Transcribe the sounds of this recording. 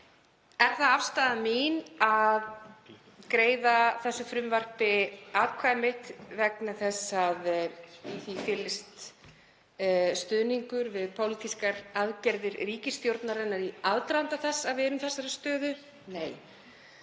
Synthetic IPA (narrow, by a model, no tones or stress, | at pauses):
ɛɾ̥θaðafst̪aːðamiːnað | kɾeːjðaθɛsːʏfɾʏmvar̥pɪaðkʰvajmɪht̪vɛknaθɛsaðiθifɪlːɪst̪ | st̪ʏðniŋkʏɾvɪðpʰowlit̪ʰiskaɾaðcɛɾðɪɾriːcɪst̪jowɾt̪naɾɛnːaɾiaðt̪ɾant̪aθɛsːavvɛːɾʏmθɛsːaɾast̪œːðʏ | neːj